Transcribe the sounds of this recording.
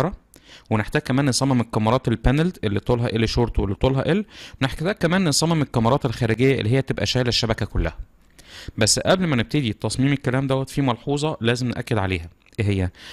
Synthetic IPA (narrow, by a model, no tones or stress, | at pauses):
ɾˤɑweneħt̪æːɡ̚kæmæːnːensˤɑmːɑmelkɑmːɑɾˤɑːt̪elpænæld̪ʔelːit̪ˤoːlɦɑʔelːʃoːɾˤt̪welːit̪ˤoːlɦɑʔelːweneħkæt̪æːɡ̚kːæmæːnːensˤɑmːemelkɑmɑɾˤɑːt̪elxæːɾeɡejːæʔḛlːiɦejːæt̪ebʔæ̰ʃæːlæʃːæbækækolːæ̰hæ | bæsːʔæblmæneb̚t̪ed̪it̪ːɑsˤmiːmekːælæːmd̪æwːæt̪fimɑlħuːzˤɑlæːzemnʔæ̰kːed̪ʕaleːhæ | ɦejːæ